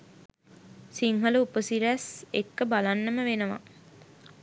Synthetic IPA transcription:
siŋɦələupəsiɾæsḛkːəbalanːəməʋenəʋa̰

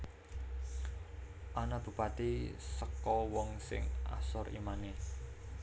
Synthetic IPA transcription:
ʔanab̥ṳpat̪isəkɔwɔŋsɪ̰ŋa̰sɔrḭmane

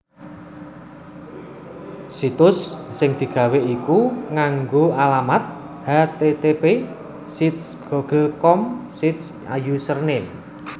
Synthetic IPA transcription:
sit̪ʊsːɪŋd̪̥i̤ɡ̥ä̤weʔikuŋaŋɡoʔalamat̪̚ | hat̪et̪epe | sit̪sɡ̥ɔɡ̥əlkɔmsit̪s | a̰jusərne

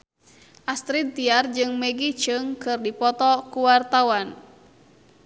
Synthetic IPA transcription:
ʔast̪ɾin̚t̪iard͡ʒɨŋmɛɡit͡ʃɨŋkɨrdipɔt̪ɔkuwart̪awan

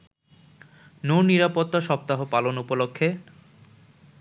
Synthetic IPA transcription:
nowniɾapot̪ːaʃɔp̚t̪aɦopalonupolokʰːe

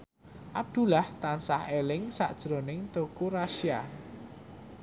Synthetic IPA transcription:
ʔab̚d̪̥ṳlaht̪ansahelɪŋsa̰ʔd̥ʒ̥ɾonɪŋt̪okuɾaʃia

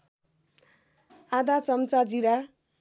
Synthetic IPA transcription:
ad̪at͡sʌmt͡sad͡ziɾa

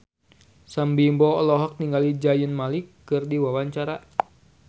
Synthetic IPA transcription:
sambimbɔɔlɔɦɔk̚niŋɡalid͡ʒajənmalikːɨrdiwawaɲt͡ʃaɾa

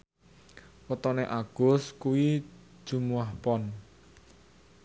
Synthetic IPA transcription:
wət̪ɔneʔaɡ̥ʊ̤skuwi | d̥ʒ̥ṳmuwahpɔn

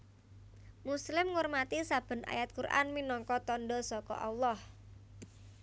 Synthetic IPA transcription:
muslɪmŋurmat̪isab̥ə̤nʔa̰jat̪̚kuɾʔa̰nminɔŋkɔt̪ɔnɖɔsɔkɔ̰ʔa̰wlɔh

